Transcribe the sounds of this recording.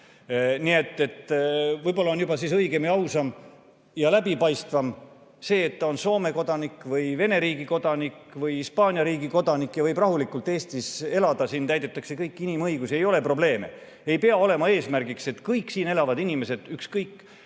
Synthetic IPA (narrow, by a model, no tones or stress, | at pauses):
nie̞t̪ːˑe̞t̪ːvɤjbo̞lːɑonjubɑsisɤjɡe̞mjɑɑwsɑm | jɑlæbipɑjst̪vɑm | se̞ːt̪ːɑo̞nso̞ːme̞ko̞d̪̥ɑnikːˑvɯjve̞ne̞ɾiːɡ̥iko̞d̪̥ɑnikvɯjhispɑːnʲjɑɾiːɡiko̞d̪̥ɑnikːjɑvɤjbrɑɦulikːˑult̪ːˑe̞ːst̪ise̞lɑd̪̥ɑsint̪æjd̪e̞t̪ːˑɑkse̞kɤjkːˑinimɤjɡusie̞jo̞le̞pro̞ble̞ːme̞̰ | e̞jpeɑo̞le̞mɑe̞ːsmærɡikse̞t̪kɤjkːsiːnelɑvɑd̪inʲime̞se̞d̪̥ykskɤjkːˑ